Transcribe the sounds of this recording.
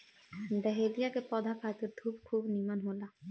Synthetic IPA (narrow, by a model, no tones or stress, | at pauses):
d̪ɛɦelijakepɔd̪ʱapʰat̪iɾt̪ʰubkʰubnimanɦola